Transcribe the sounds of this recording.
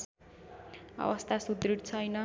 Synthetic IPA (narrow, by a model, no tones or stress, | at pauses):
ʌ̰wʌst̪ʰasud̪ɾiɽt͡sʰʌjnʌ